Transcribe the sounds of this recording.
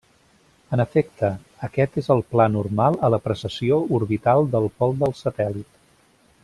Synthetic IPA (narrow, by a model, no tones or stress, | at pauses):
ənəfek̚t̪əː | kɛt̪ezəlˠplanurmalˠələpɾəsəsiouɾβit̪alˠd̪əlˠpɔlˠd̪əlˠsət̪ɛlit̪